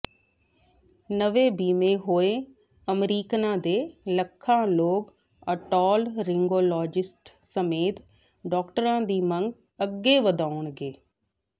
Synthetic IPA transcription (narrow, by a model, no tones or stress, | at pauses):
nəʋeːbiːmẽːɦoːeː | əmɾiːknãːd̪eːləkʰːãːloːk | əʈɔːlɾɪŋɡoːlɔːd͡ʒɪsʈ | səmeːt̪ | ɖɔːkʈəɾãːd̪iːmə̃ŋɡ | əɡːeːʋəd̪aːʊɳɡeː